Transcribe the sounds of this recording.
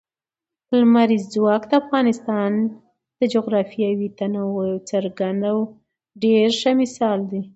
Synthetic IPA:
pəlmaɾizzwɑkd̪əafɣɑnɪst̪ɑn | d̪̥əd͡ʒoɣɾɑfijawit̪anawəjt͡səɾɡand̪aw | ɖeɾʃamɪsɑld̪i

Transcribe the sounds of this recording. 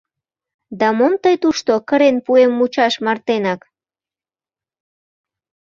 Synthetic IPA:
d̪ɑmomt̪əjt̪uʃt̪okəɾenpuemːut͡ɕɑʃmɑrt̪enɑk

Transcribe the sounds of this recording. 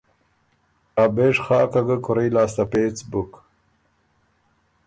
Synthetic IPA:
aːbeːʂχaːkɐɡəkʰuɾɐjlaːst̪ɐpeːt͡sbuk

